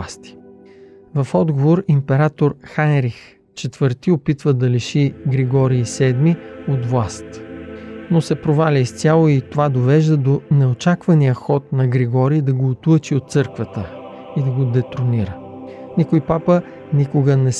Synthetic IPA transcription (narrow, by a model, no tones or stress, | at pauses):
ast̪i̥ | vɐfɔd̪ɡovoɾimpɛɾat̪oɾxanɾix | t͡ʃɛt̪v̥ɤɾt̪iopit̪vəd̪ɐliʃiɡɾɛɡɔɾiːsɛd̪miot̪vlˠast̪ | nosɛpɾovalʲɐist̪ʲalˠoit̪ovad̪ovɛʒd̪əd̪onɛot͡ʃakvɐnijəxɔt̪̚nɐɡɾɛɡɔɾiːd̪ɐɡoːt̪lˠɤt͡ʃiot̪̚t̪sɤɾkvət̪ə | id̪ɐɡod̪ɛt̪ɾoniɾənikojpapə | nikʊɡənɛs